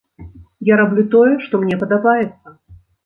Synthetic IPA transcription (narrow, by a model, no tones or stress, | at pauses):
jaɾablʲut̪ɔjɛʂt̪ɔmnʲɛpɐd̪abajɛt̪sːɐ